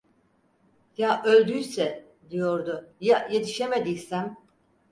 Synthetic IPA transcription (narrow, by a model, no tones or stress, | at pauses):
jaʔø̞lʲd̪yjsɛ | d̪ijo̞ɾd̪ʊjajet̪ʰiʃe̞med̪ijsæm